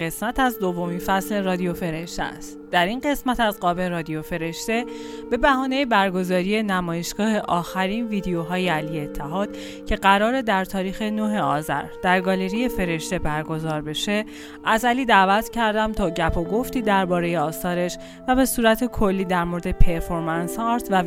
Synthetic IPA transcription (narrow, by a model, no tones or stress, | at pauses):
e̞smæt̪ʰæzd̪ovːo̞minfæsle̞rɒːd̪iofe̞ɾe̞ʃt̪ḛæ̰st̪d̪̥æɾinɢe̞smæt̪æzɢɒːbe̞ɾɒːd̪ijofe̞ɾe̞ʃt̪e̞ | b̥e̞bæɦɒːne̞jebæɾɡo̞zɒːɾije̞næmɒːje̞ʃɡ̥ɒːhe̞ʔɒːxæɾiːnviːd̪ejoɦɒːjeælijeːt̪ʰːæɦɒːd̪̥ | cʰe̞ɢæɾɒːɾe̞d̪æɾt̪ʰɒːɾiːxe̞noɦe̞ɒːzæ̰ɾd̪̥æɾɡɒːle̞ɾije̞fe̞ɾe̞ʃt̪e̞bæɾɡo̞zɒːɾbe̞ʃe̞ | ʔæzæliːd̪æːvæt̪ʰcʰæɾd̪æmt̪ʰɒːɟæpʰoɡo̞ft̪iːd̪æɾbɒːɾe̞jeɒːsɒːɾe̞ʃ | væbe̞suːɾæt̪ʰe̞kʰo̞lːiːd̪æɾmoɾed̪e̞pʰe̞ɾfo̞ɾmænsɒːɾt̪ʰvæ